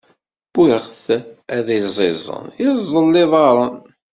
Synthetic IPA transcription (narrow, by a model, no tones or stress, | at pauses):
b̥iʁθæðæzˤɪzˤə̰nizˤːəlːɪðˤɑɾˤɑn